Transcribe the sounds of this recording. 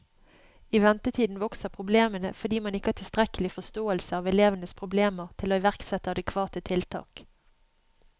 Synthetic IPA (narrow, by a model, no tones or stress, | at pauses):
iʋɛnt̪ət̪ʰiːd̪n̩ʋɔksəpʰʁʊbleːmənə̰fɔɖ̪iːmɑnɪkːəɑːt̪ʰɪlst̪ʁɛkəlɪfɔst̪oːəlsəɑːʋɛleːʋənəspʰʁʊbleːməʁt̪ʰɪloːɪʋæʁksɛt̪ːəɑd̪ɛkʰʋɑːt̪ət̪ʰɪlt̪ʰɑ̰ːk